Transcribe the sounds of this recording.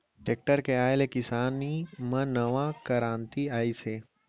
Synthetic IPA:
ʈeːk̚ʈəɾkeaːelekɪsaːnimãnɐʋãkəɾãːnt̪iaːiseː

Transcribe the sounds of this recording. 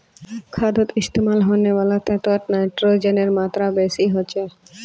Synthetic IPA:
kʰad̪ot̪ist̪emalɦonebalat̪ɛt̪aʈnajʈɾod͡ʑeneɾmat̪ɾabesiɦoːt͡ɕʰe

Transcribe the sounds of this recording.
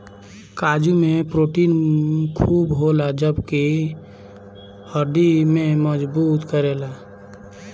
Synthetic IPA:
kaːd͡ʒumẽpɾoːʈiːnkʰuːbɦolad͡ʒəbke | həɾd̪imẽməd͡ʒbuːt̪kəɾelaː

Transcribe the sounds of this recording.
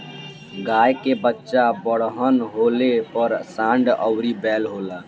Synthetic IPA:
ɡaːjkebətːʃabəɽɦənɦoːlepəɾsãːɳɖəwɾibɛːlɦoːlaː

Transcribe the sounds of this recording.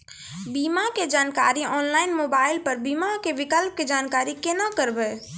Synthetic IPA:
biːmaked͡ʒaːnka̰ːɾiɔːnlaːɪnmoːbaːɪlpəɾbiːmakeʋɪkəlp̚ked͡ʒaːnkaːɾikenakəɾbeː

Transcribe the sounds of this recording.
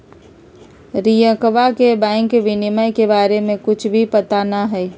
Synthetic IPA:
ɾijə̃kəʋakebɛ̃ɪŋkːeʋɪnɪmajkebaːɾemẽkʊt͡ʃʰbʱipət̪anaɦɛː

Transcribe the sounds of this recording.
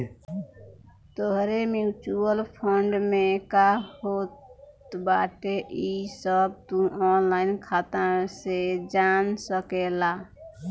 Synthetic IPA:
t̪oɦɾemjut͡ʃuəlpʰəɳɖmẽkahot̪ | baːʈeʔisəb̚t̪ũɔːnlaːɪnkʰaːt̪ãsed͡ʒaːnsəkelaː

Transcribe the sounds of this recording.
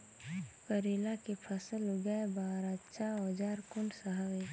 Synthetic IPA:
pəɾeːlakepʰəsəlɡaebaːɾat͡ʃʰaod͡ʒaːɾkʊɳɖsəɦaʋe

